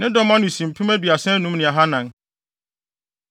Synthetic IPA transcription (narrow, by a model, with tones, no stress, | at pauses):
nɪ̃˦dɔ˦mã˦nʊ̃˨sĩ˨m̩˨pʰũ˦mæ˦di˨a˨sɛ̃˦nũ˦mnɪ̃˨a˨ɦa˦nã˨n